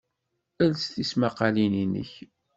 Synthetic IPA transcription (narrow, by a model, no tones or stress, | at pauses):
ælst̪ismaqːɑlininə̰ç